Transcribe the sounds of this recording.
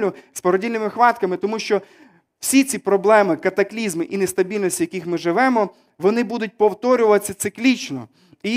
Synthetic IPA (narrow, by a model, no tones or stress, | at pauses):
lʲʊspɔɾɔdʲilʲnɪmɪxʋɑt̪kɐmɪt̪ɔmuʃt͡ʃɔ | w̥sʲit͡sʲipɾɔblˠɛmɪkɐt̪ɐklʲizmɪʔinest̪ɐbʲilʲnɔsʲtʲijɐkʲixmɪʒɪʋɛmɔ | ʋɔnɪbud̪ʊt̚ʲpɔwt̪ɔɾʲʊʋɐsʲɐt̪sɪklʲit͡ʃnɔ̰ | i